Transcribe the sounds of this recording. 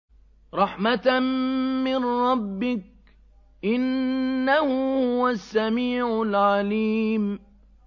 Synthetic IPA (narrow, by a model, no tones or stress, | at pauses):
ɾˤɑħmat̪ | mɪnɾˤɑbːɪk̚ | ʔɪnːahʊhʊʊwasːamiːʕʊlʕaliːm